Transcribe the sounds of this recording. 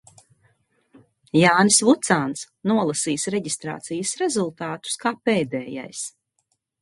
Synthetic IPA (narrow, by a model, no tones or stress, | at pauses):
jaːnsvut̪saːns | nuɔlˠasiːsɾɛɟist̪ɾa̰ːt̪sijəsɾɛzulˠt̪aːt̪u̥skaːpeːd̪ɛːja̰js